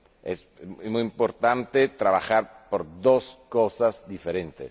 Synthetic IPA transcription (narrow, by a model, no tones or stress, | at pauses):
es | mujimpoɾt̪ant̪et̪ɾaβaxaɾpoɾd̪oskosazd̪ifeɾent̪ḛs